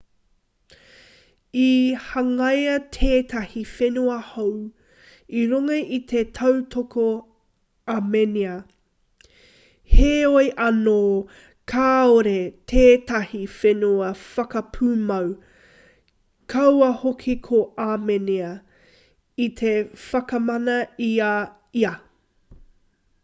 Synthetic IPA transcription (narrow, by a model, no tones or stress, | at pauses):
ihɐŋɐjɐtʰeːtʰɐhifenuɐhow | iɾuŋɐʔitʰe̞tʰɐwtʰoko | ameniɐ | heojʔɐnoː | kʰaːoɾetʰeːtɐhifenuɐfɐkɐpʰuːmɐw | kʰɐwɐhokʰikʰoameniɐ | it̪ʰe̞fɐkɐmɐnɐia | iɐ